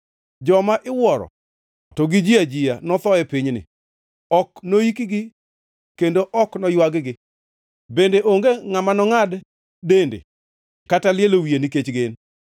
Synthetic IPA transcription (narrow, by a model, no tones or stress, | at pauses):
d͡ʒɔmaʔɪwɔɾɔ̰ | tɔɡɪd͡ʒiad͡ʒɪjanɔt̪ɔɛpɪɲnɪ̰ | ɔknoikiɡɪ | kendoʔɔknɔjwaɡɡɪ | bendeʔoŋɡeŋamanɔŋad | dendḛ | katalɪelowieniket͡ʃɡen